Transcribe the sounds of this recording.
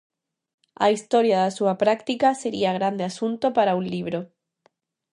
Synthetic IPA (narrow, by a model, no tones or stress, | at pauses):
a̰ist̪oɾjaðasuapɾakt̪ikaseɾiaɣɾand̪easunt̪opaɾaũnliβ̞ɾo